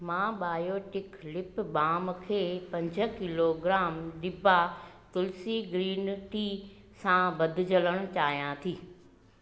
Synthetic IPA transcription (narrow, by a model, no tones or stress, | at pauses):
mãːɓaːjoːʈɪklɪpɓaːmkʰeːpɐ̃ɲd͡ʑʱə̆kɪloɡɾaːmɗɪbʱa | t̪ʊlsiɡɾiːnʈi | sãbɐd̪ʱɪ̆d͡ʑələɽ̃ʊt͡ɕaːɦijãt̪ʰiː